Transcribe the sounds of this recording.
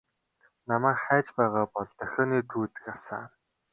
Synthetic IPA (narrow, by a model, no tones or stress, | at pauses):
namæːkχæːt͡ɕpæːʁaːpɔɮt̪œxʲɔːniːt̪ʰuːt̪ɘ̥̆kasa̰ː